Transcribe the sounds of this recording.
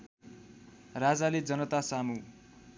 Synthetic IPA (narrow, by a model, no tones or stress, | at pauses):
rad͡zaled͡zʌnʌt̪asamu